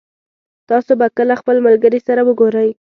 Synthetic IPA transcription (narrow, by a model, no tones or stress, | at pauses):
t̪ɑsobakəlaxpəlmalɡəɾisaɾawəɡoɾəj